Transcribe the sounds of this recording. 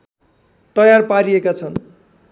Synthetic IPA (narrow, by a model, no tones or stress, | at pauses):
t̪ʌjarpaɾijekat͡sʰʌn